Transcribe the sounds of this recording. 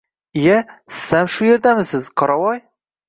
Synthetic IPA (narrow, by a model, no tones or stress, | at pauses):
jasɪ̥samʃʊje̞ɾd̪amɪsɪzqʰɒɾɒwɒj